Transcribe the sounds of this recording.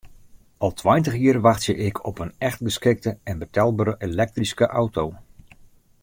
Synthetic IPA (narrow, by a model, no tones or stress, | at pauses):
ɑlˠtʰwajntəxjiərʋaxtsjəʔɪkʰɔpənɛxtɡəskɪk̚təɛnbətʰɛlˠbaːɾəʔelɛk̚triskəʔawtow